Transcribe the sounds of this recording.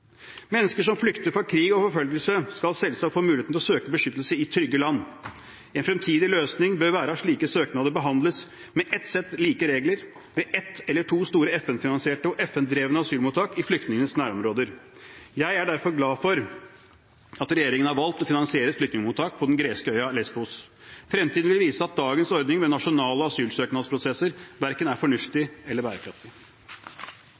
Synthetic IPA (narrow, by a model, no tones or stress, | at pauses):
mɛnːəskəʂɔmflʏkt̪əɾfɔɾkʰɾiːɡɔfɔɾfœlɡəlsəskɑlsɛlːəsɑfoːmʉːleːt̪n̩ʰlɔsøːkəbəʂʏt̪ːəlsəɪt̪ʰɾʏɡːəlɑnː | ɛnfɾɛmt̪ʰiːd̪ɪløːsnɪŋbøːɾʋæːɾəɑʂɭiːkəsøːknɑd̪əɾbəɦɑnd̪ləs | mɛʔɛt̪sɛt̪ːliːkəɾeːɡləɾ | ʋɛʔɛt̪ɛlːəʈʰuːst̪uːɾəɛfɛnfɪnɑnsɪeːʈəɔʔɛfɛnd̪ɾeːʋənəɑsyːlmuːt̪ʰːɑːkɪflʏk̚t̪nɪŋənəsnæːɾɔmɾoːd̪əɾjæɪæɖæɾfɔɾɡlɑːfɔɾ | ɑt̪ɾɛjeːɾɪŋənhɑɾʋɑlt̪ɔfɪnɑnsɪeːɾəflʏkt̪nɪŋəmuːt̪ʰːɑːk̚pʰɔd̪ɛnɡɾeːskəœʏɑlɛsbuːs | fɾɛmt̪iːd̪n̩ʋɪlʋiːsəɑt̪̚d̪ɑːɡənsɔɾd̪nɪŋmɛnɑʂʊnɑːləɑsyːlsøːknɑd̪spʰɾʊsɛsəɾʋæɾkənæɾfɔɳʉft̪ɪɛlːəɾbæːɾəkʰɾɑft̪ɪ